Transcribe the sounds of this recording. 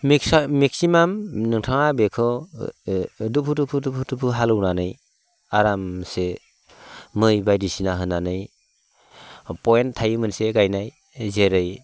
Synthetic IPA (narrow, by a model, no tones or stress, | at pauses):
mikmik̚simamnɯŋtʰaŋabekʰɯ | dupʰudupʰɯdupʰudupʰɯɦalɯwnanɯj | aɾamse | mɯjbajdisinaɦɯnːanɯj | pɔjentʰːajɯmɯnseɡajnaj | zeɾɯj